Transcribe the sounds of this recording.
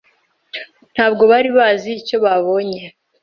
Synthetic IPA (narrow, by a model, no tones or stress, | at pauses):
n̥haːb̚ɡo̞βaɾiβaːziːco̞βaβo̞ɲe